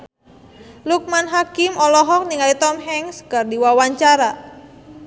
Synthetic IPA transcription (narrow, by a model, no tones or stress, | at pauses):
luk̚manɦakɪmɔlɔɦɔk̚niŋalit̪ɔmɦɛŋskərdiwawaɲt͡ʃaɾa